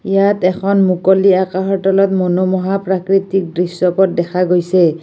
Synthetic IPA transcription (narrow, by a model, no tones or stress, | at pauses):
ijatɛkʰɔnmukoliakaɦɔtɔlɔtmonomɔɦapɹakɹitik̚dɹisɔpɔt̚dɛkʰaɡojsɛ